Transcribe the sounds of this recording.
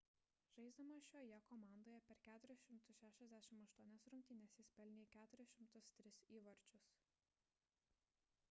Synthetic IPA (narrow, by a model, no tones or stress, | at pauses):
ʒ̥ɐɪzd̪ɐmɐʃʲoːjɛkɔːmɑˑnd̪oːjɛpʲɛɾkʲæːt̪ʊɾʲɪsʃʲɪmt̪ʊsʃʲæːʃʲɛzʲd̪ʲæːʃʲɪmɐʃt̪uɔnʲɛsɾʊŋʲkʲt̪ʲɪnʲɛsjɪspʲɛlʲnʲeːkʲæːt̪ʊɾʲɪsʃʲɪmt̪ʊst̪ʲɾʲɪsiːʋɐɾʲt͡ʃʲʊs